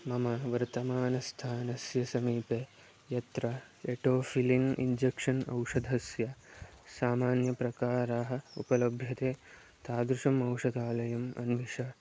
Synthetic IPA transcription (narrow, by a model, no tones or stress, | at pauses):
mɐmɐʋɐɾt̪ɐmaːnɐst̪ʰaːnɐsjɐsɐmiːpeː | jɐt̪ɾɐ | eʈoːfiliŋɡḭɲd͡ʒekʂɐnɐ̰wʂɐd̪ʱɐsjɐsaːmaːnjɐpɾɐkaːɾaːɦɐ̆upɐlɐbʱjɐt̪eː | t̪ʰaːd̪ɾuʂɐmɐwʂɐd̪ʱaːlɐjɐmɐ̰nʋiʃɐ